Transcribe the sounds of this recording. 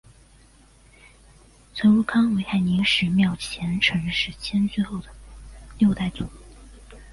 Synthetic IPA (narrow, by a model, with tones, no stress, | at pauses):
t͡sʰə˧˥nɻu˥˩kʰɑ˥ŋwe˧˥ɪxa˥˩ɪni˧˥ŋʂɻ̩˧˥mjɑ˥˩ʊt͡ɕʰjɛ˧˥nʈ͡ʂʰɤ˧˥ŋʂɻ̩˥˩t͡ɕʰjɛ˥nse˥˧xo˥˩ʊd̪ə˩ljo˥˧ʊt̪a˥˩ɪt͡su˨˩˦